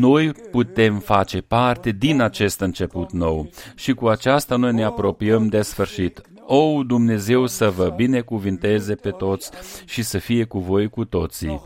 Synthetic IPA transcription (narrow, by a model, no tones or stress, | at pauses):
no̞jput̪e̞mfat͡ʃe̞part̪e̞d̪inat͡ʃe̞st̪ɨnt͡ʃe̞put̪no̞wʃikuat͡ʃast̪ano̞jne̞apɾo̞piəmd̪e̞sfɨrʃit̪ | o̞wd̪umne̞ze̞wsəvəbine̞kuvint̪e̞ze̞pe̞t̪o̞t̪sʲʃisəfije̞kuvo̞jkut̪o̞t̪si